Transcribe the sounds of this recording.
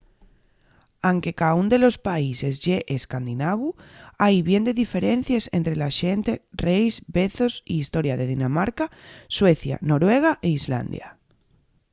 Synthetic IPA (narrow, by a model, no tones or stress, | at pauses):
aŋke̞kaðaund̪e̞lo̞spaise̞zʝeʔeskand̪inaβuajβje̞nd̪e̞ðife̞ɾe̞n̟θjesḛnt̪ɾelaʃe̞nt̪e̞rejsbeθo̞sḭːst̪o̞ɾjaðe̞ðinamaɾkaswe̞θja̰no̞ɾwe̞ɣ̞aʔeizla̰nd̪ja̰